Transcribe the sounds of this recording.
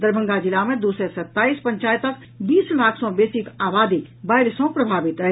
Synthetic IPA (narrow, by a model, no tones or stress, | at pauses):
d̪əɾbʱə̃ŋɡad͡ʒilamed̪usəsət̪ːaispəɲt͡ʃajət̪ək | bislakʰsɔ̃besikabad̪ibajɾsɔ̃pɾəbʱabit̪ə